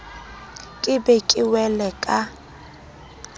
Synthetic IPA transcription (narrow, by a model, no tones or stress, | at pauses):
kʼɪbɛkʼɪwɛlɛkʼa